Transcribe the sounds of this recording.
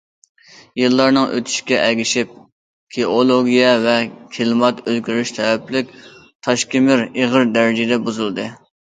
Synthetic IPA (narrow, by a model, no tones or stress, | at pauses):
jɨlˠːɑɾnɨŋʔø̰t̪ʰy̥ʃkʲɛʔælɡʲiʃɪp̚ | kʲʰeolˠoɡʲijɛvɛkʲʰelˠmɑt̪ølɡʲyɾyʃt̪ʰɛwɛplɪkʲ | t̪ʰɑʃkʲimɪɾeʁəɾd̪æɾɪd͡ʒɪd̪ɛbuzulˠd̪ɨ